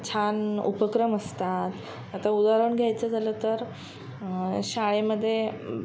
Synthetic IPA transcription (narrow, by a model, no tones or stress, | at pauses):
t͡ɕʰanṵpəkɾəməst̪at̪ | at̪aud̪aɾuɳɡʱjajt͡səd͡zaləːt̪əɾ | ɕaɭeməd̪ʱːje